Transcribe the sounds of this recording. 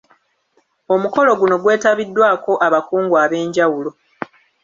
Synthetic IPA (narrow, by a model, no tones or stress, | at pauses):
o̞muko̞lo̞ɡuno̞ɡwe̞ːtaβidːwaːko̞ʔaβakuːŋɡwaːβe̞ːɲɟawulo̞